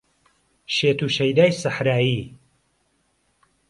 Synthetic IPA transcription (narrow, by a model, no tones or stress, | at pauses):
ʃeːt̪uːʃɐjd̪aːjsaħɾaːjiː